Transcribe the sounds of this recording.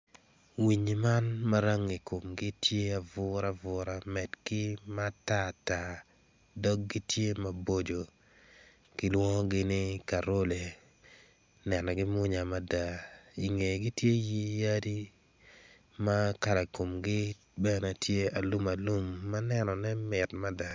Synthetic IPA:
wi˨ɲi˨ma˦nma˦ɾa˦ŋi˨ko˨mɡɪ˦tʰje˦a˨vʊ˦ɾa˦vʊ˨ɾa˦mɛ˨dɡɪ˦ma˦ta˦˨ta˨ | dɔ˦k̚ɡɪ˦tje˦ma˨bo˦d͡ʒo˨ | kɪ˦lwɔ˦ɡɪ˦nɪ˦ka˨ɾo˦le˨ | nɛ˨nɔ˨ɡɪ˦mʊ˦ɲa˨ma˦da˨i˨ŋe˨ɡɪ˦tje˦ji˦ja˦di˦ | ma˦ka˨ɾa˨ko˨mɡɪ˦ | bɛ˦nɛ˨tʰje˦a˨lu˦ma˨lu˦mːa˦nɛ˦nɔ˨nɛ˦mɪ˨tma˦da˨

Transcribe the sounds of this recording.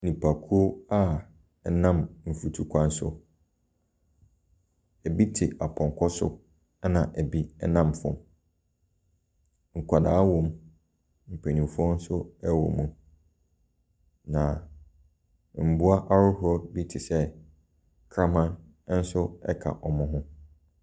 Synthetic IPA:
nĩ˨pʰa˨kʰu˦o˦a˦˨ | nã˦˨mm̩˨fu˨tʰu˨kʷʰa˦n̩˦sʊ̰˦ | ɛ˨bi˦tʰɪ˨a˨pʰɔ̃˨ŋ˨kʰɔ˦sʊ̰˦ | nã˨ʔɛ˨bi˦ɛ˦nã˦mfʊ̰̃˨m | ŋ̩˨kʷʰa˨daː˨˦wɔ̃˦m | m̩˨pʰe˨nĩ˨fu˦ɔ̃˦n̩˦sʊ˦ɛ˦wɔ̰˨mũ˨ | nã˨ | m̩˨bu˦a˦ʔa˦ɾʊ˦hʊ˦ɔ˦bi˦tʰɪ˨sɛ˦ | kʰɾã˦mã˦n˦ | n̩˦sʊ˦ɛ̰˦kʰa̰˨ʔɔ˨mʊ̃˦ɦʊ̃˦

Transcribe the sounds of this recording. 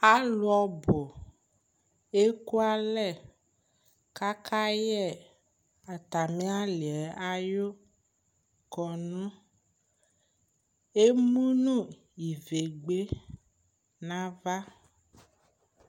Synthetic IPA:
a˦lu˦ɔ˨bo˨ | e˦ku˦a˦lɛ˦˨ | ka˦ka˦jɛ˦˨ | a˨t̪a˨mẽ˦a˦li˨ɛ˨a˦jo˦ | kɔ˨nɔ̃˦ | e˦mũ˦nũ˦˨ | i˨ve˨ɡ͡be˦ | nã˦va˦

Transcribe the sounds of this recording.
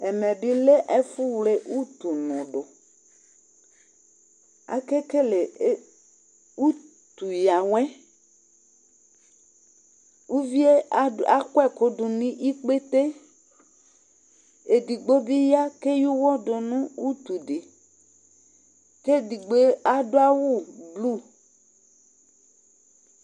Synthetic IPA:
e˨mẽ˨bi˦le˦ʔe˦fu˦wle˨ʔu˦t̪u˨nɔ̃˨ɖo˨ | a̰˨ke˦ke˦le˨˦ | u˦ | t̪u˨ja˨wɛ̃˦ | wu˦vi˦e˦a˦kɛ˦ko˨du˨nĩ˦ʔi˦k͡pe˦t̪e˦ | e˨di˨ɡ͡bo˦bi˦ja˦ke˦ju˦wɔ˦ɖɔ˨nũ˦wu˦t̪u˨ɖe˨ | ke˦di˨ɡ͡be˦a˦do˦a˦wu˦blu˦˨

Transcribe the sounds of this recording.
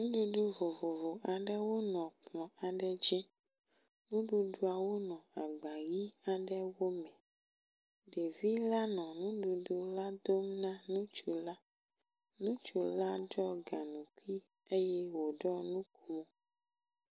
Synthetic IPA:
nũ˦ɖu˦ɖu˦vo˨vo˨vo˨ʔa˨ɖɛ˦wo˦nɔ̃˨k͡plɔ̃˨a˨ɖɛ˦d͡ʒɛ̃˦ | nũ˦ɖu˨ɖu˦a˨wo˦nɔ̃˨a˨ɡ͡ba˨ɣi˦a˨ɖɛ˦wo˦mɛ̃˨ | ɖe˨vi˦la˦nɔ̃˨nũ˦ɖu˨ɖu˦la˦d̪o˦mnã˦nũ˦t͡ʃu˨la˦ | nũ˦t͡ʃu˨la˦ɖɔ˦ɡa˨nũ˨ku˦i˦ | e˦jɛ˦wo˨ɖɔ˦nũ˦kʰu˦mõ˨

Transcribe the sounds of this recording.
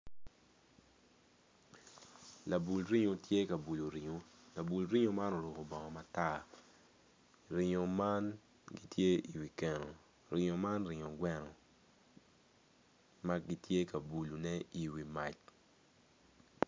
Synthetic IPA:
la˨bu˨lɾi˦ɲo˨tje˦ka˨bu˨lo˨ɾɪ˨ɲo˨ | la˨bu˨lɾɪ˦o˦ma˦no˨ɾo˨ko˨bɔ˨ŋɔ˨ma˨ta˦˨ | ɾɪ˨ɲo˨ma˦n | ɡi˦tje˦i˨wi˨kɛ˨no˨ | ɾɪ˨ɲo˨ma˦nrɪ˨ɲo˨ɡwɛ˦nɔ˨ | ma˦ɡi˦tje˦ka˨bu˨lu˨nɛ˦i˨wi˨ma˨t͡ʃ

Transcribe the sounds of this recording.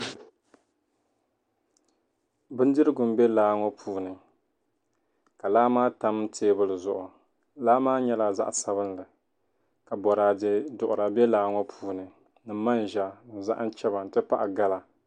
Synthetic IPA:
bɨ˦n˦dɨ˦ɾɨ˦ɡʊ˨m˦bɛ˦laː˦ŋɔ˦pʰuː˦nɨ˨ | ka˨laː˦maː˦ta˦m̩˦tʰeː˦bɨ˦lɨ˨zʊ˦ʔʊ˨ | laː˦maː˦ɲɛ˦la˨za̰˦ʔsa˦βɨ˦nlɨ˨ | ka˨bɔ˨ɾa˨dɨ˦dʊ˨ʔʊ˨ɾa˨bɛ˦laː˦ŋɔ˦pʰuː˦nɨ˨ | nɨ˨˦ma˦n˨ʒa˦nɨ˨za̰˦ʔa˦t͡ʃɛ˦ba˨n̩˨tɨ˦pa˦ʔa˨ɡa˦la˨

